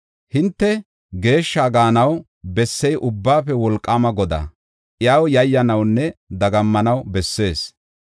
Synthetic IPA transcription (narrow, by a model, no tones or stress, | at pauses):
hɪnt̪ːɛ | ɡe̞ːʃːaːɡaːnɐw | bɛsːɛjʔʊbːaːpɛwɔlkʼːaːmɐɡɔd̪a̰ | ʔɪjaːwjɐjːɐnɐwnːɛd̪ɐɡɐmːɐnɐwbɛsːe̞ːs